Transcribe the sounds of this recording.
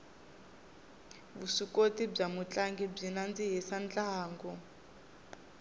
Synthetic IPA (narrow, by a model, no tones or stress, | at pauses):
βusikotib͡ʐamut͡ɬʼaŋɡib͡ʐinand͡ziɦɛsant͡ɬaɦaːŋɡɔ